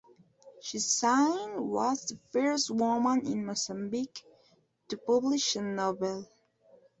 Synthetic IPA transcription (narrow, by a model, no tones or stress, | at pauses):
ʃisãɪ̃ndwʌzðəfɜ˞stwʊmə̃nɪ̃nmɔsə̃mbik | tɨpʌblɪʃənɔvɛlˠ